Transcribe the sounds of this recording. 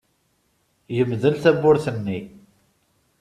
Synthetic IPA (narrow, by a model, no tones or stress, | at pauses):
jəmðənθæbːʊɾθənːi